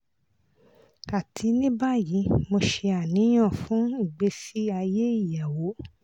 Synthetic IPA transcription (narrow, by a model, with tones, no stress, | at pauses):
ka˨tʰi˨˦nĩ˦ba˦ji˨˦mo˧ʃe˧a˨nĩ˨˦j̃ã˦˨fũ˨˦i˦˨ɡ͡be˧˦si˦a˧je˦i˦˨ja˨wo˨˦